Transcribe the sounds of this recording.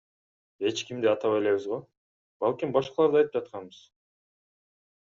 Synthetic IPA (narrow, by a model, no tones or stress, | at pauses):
e̞t͡ʃkimd̪iɑt̪ɑβe̞le̞βizʁo | b̥ɑlˠkʲimbɑʃqɑlˠɑɾd̪ɑjt̪ɯp̚d͡ʒɑt̪̚qʰɑnbɯz̥